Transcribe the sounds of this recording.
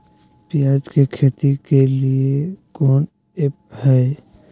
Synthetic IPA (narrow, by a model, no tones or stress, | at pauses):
pɪjaːd͡ʒkekʰeːt̪ikeliekɔːn | ep̚hɛː